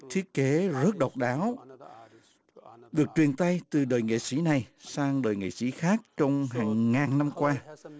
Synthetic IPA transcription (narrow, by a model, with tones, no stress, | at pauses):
t̪ʰi˦˥ət̚ke˨˦zə˦˥t̚ɗɔ˨˩wk͡p̚ɗaː˨˦w | ɗɨ˨˩ək̚t͡ɕwi˨˩ənt̪a˧jt̪ɨ˨˩ɗəː˨˩jŋḛ˧˨sḭ˧˥˩na˨˩jsaː˧ŋɗəː˨˩jŋḛ˧˨sḭ˧˥xaː˦˥k̚t͡ɕɔ˧wŋ͡mɦaː˨˩ŋːaː˨˩nna˧mkwaː˧